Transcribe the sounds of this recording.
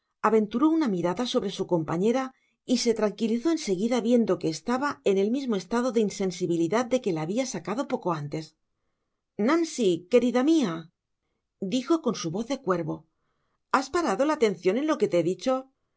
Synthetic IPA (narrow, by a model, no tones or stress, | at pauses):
aβẽ̞nt̪uɾo̞unamiɾaðaso̞βɾe̞suko̞mpaɲe̞ɾa | ise̞t̪ɾaŋkiliθo̞e̞nse̞ɣiðaβje̞nd̪o̞ke̞ːst̪aβae̞ne̞lmizmo̞e̞st̪aðo̞ðeinse̞nsiβiliðaðd̪e̞ke̞laːβiasakaðo̞po̞ko̞ant̪e̞s | nãnsike̞ɾiðamia | d̪ixo̞ko̞nsuβo̞θðe̞kwe̞ɾβo̞ | aspaɾaðo̞laːt̪e̞nθjo̞ne̞nlo̞ke̞t̪eðit͡ʃo̞